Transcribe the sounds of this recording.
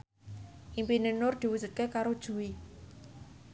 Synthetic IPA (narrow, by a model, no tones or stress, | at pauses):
ʔimpinenʊrd̪̥i̤wudʒ̥ṳt̪̚kekaɾod̥ʒ̥ṳwi